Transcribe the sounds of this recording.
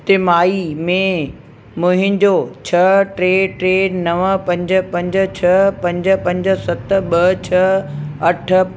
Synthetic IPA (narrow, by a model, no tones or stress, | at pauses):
t̪ɪmaːimẽ | mʊɦɪ̃ɲd͡ʑot͡ɕʰɐʈɾeːʈɾeːnɐʋəpɐ̃ɲd͡ʑə̆pɐ̃ɲd͡ʑ̆t͡ɕʰɐpɐ̃ɲd͡ʑə̆pɐ̃ɲd͡ʑ̆sɐt̪̆ɓɐt͡ɕʰɐɐʈʰə̆